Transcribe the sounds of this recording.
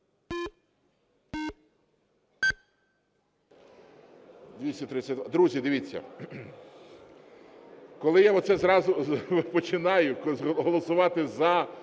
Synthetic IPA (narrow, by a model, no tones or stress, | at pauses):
d̪ʲʋʲisʲɐt̪ɾɪsʲɐt̪ʲd̪ad̪ɾuzʲid̪ɪʋʲit͡sʲːɐ̰ | kɔlˠɪjaɔt̪sɛzɾɑzʊpɔt͡ʃɪnɑjʊɦɔlˠɔsʊʋɑt̪ɪzɐ